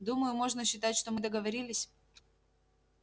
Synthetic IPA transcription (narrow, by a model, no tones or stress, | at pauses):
d̪uməjʊmo̞ʐnəɕːɪt̪atʲʂt̪omɨd̪əɡəvɐɾʲilʲɪsʲ